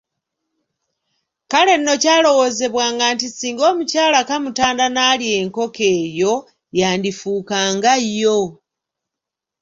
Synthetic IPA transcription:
kale̞nːo̞caːlo̞wo̞ze̞βwaːŋɡantisiːŋɡo̞ːmucaːlakamutaːndanaːlie̞ŋko̞ke̞ːjo̞ | jaːndifuːkaːŋɡajːo

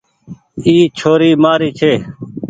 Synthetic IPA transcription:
iːt͡ʃʰoːɾiːmaːɾiːt͡ʃʰeː

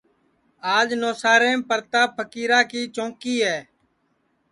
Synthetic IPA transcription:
aːd͡ʒnoːsaːɾẽːpəɾt̪aːpʰəkiːɾaːkiːt͡ʃõːkiːɦɛː

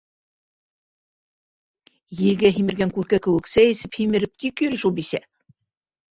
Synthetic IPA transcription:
jɘ̆lɡæɦimɘ̆ɾɡæŋkʉɾkækɘ̆wɘ̆ksæjĭsɘphimɘ̆ɾɘp̚t̪ikjɵ̆ɾʃulˠbisæ̰

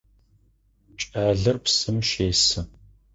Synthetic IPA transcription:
t͡ʃʼaːɮɨrpsɨmʃeːsɨ

